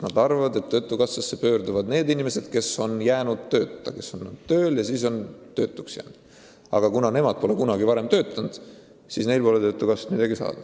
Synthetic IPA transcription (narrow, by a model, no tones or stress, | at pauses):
nɑd̪̥ɑrvɑvɑd̪e̞t̪ːø̞t̪ˑːukɑsːɑsːe̞pø̞ːɾd̪uvɑd̪ne̞ːd̪inimese̞d̪̥ke̞so̞njæːnud̪̥t̪ːø̞ːt̪ːˑɑke̞sːonːud̪t̪ø̞ːljɑsiːso̞nt̪ø̞ːt̪ːˑuksjæ̰ːnud̪̥ | ɑ̰ɡ̥ɑkunɑne̞mɑd̪̥̚po̞le̞kunɑɡivɑɾe̞mt̪ø̞ːt̪ˑːɑnd̪̥ | sisne̞jlpo̞let̪ø̞t̪ːˑukɑsɑ̥t̪mid̪ɑɡisɑ̰ːd̪̥ɑ̥